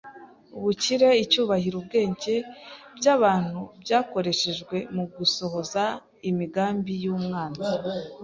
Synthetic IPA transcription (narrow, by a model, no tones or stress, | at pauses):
uβuciɾe̞icuːβahiɾubɡe̞ːɲɟe̞bɟaβaːn̥hubɟaːko̞ɾe̞ʃe̞ʒɡwe̞muɡuso̞ho̞za | imiɡaːmbijuːmŋaːnza